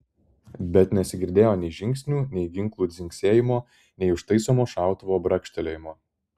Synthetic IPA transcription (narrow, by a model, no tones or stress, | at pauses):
bʲɛt̪nʲɛsʲɪɡʲɪɾʲd̪ʲeːjoːnʲɛɪʒʲɪŋʲksʲnʲuːnʲɛɪɡʲɪŋklˠuːd̪zʲɪŋʲkʲsʲeːjɪmoː | nʲɛɪʊʃt̪ɐɪsoːmoːʃɑˑʊt̪ʊʋoːbɾɐkʃʲt̪ʲɛlʲeːjɪmoː